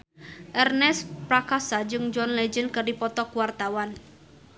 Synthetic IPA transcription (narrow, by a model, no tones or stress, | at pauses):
ʔɛrnɛspɾakasad͡ʒɨŋd͡ʒɔnlɛd͡ʒənkərdipɔt̪ɔkuwart̪awan